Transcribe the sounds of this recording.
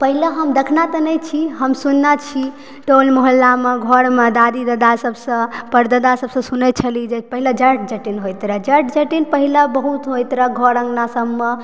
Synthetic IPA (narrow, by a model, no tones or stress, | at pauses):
pəɦileɦəmd̪ekʰnat̪ənəjt͡ʃʰiɦəmsunːat͡ʃʰi | ʈolmoɦəlːameɡʱɔɾmed̪ad̪id̪əd̪asəbsə̃pəɾd̪əd̪asəbsə̃sunɛt̪̚t͡ʃʰəlid͡ʒepəɦiləd͡ʒəʈ̚d͡ʒəʈinɦojt̪ɾəd͡ʒəɾʈd͡ʒəʈinpəɦilebəɦut̪ɦojt̪ɾəɡʱɔɾə̃ŋɡnasəbme